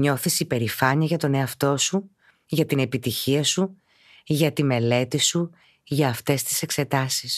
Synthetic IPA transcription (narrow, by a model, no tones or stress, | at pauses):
ɲo̞θisipe̞ɾifɐɲiɐʝɐt̪o̞ne̞ɐft̪o̞su | ʝɐt̪ine̞pit̪içiɐsu | ʝɐt̪ime̞le̞t̪isu | ʝɐːft̪e̞st̪i̥se̞kse̞t̪ɐsis